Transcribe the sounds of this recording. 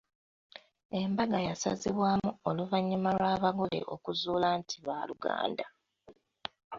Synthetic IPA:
e̞mbaɡajasa̰ziβwaːmuo̞luvaɲːimalwaːβaɡole̞̰ʔo̞kuzuːlantʰiβaːluɡa̰ːnda

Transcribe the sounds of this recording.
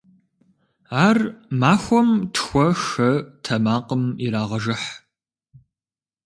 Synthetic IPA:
aːrmaːxʷɔmtʰxʷɔʃɐtʰɐmaːqəmiɾaːʁɐʒɨħ

